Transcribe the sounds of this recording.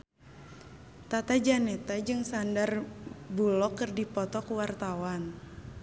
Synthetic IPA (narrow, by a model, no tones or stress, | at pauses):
t̪at̪ad͡ʒanɛt̪ad͡ʒɨŋsandarbulɔkːɨrdipɔt̪ɔkuwart̪awan